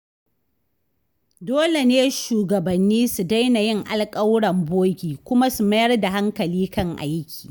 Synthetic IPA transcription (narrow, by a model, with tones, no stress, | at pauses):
doː˦le˨neː˦ʃuː˨ɡɐ˨bɐ˨nːiː˦su˨da˦jna˨jɪ˦ŋʔa˨lkʼɐ˦wɽɐ˨mboː˦ɡʲiː˨kʷʊ˦ma˦su˨mɐ˦jɐ˦rda˨ɦa˦ŋkɐ˨liː˦kɐ˦ŋʔa̰˨jɪ˦kʲʰi̥ː˨